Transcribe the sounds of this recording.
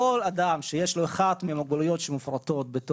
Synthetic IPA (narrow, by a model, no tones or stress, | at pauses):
olad̪amʃejeʃlo̞eχad̪meamaɡ̚bolujo̞tʃemufɾat̪o̞t̪̚bet̪o